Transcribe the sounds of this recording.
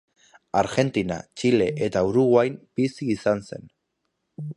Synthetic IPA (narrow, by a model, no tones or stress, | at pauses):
aɾɣe̞nt̪ina̰t͡ʃile̞ʔet̪auɾuɣwajmpisiːsanse̞̰n